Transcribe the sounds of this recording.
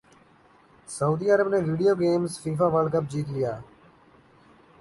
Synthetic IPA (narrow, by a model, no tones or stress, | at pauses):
səuːd̪iːəɾəbnẽːʋiːɖijoːɡeːmsfiːfaːʋəɖkəp̚d͡ʒiːt̪ɪjaː